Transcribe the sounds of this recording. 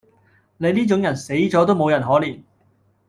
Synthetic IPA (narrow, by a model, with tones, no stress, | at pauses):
ne˨˧jniː˥t͡ʃʊ˨˥ŋjɐ˨˩nse˨˥jt͡sɔː˨˥t̪o˥wmo˨˧wjɐ˨˩nɦɔː˨˥liː˨˩n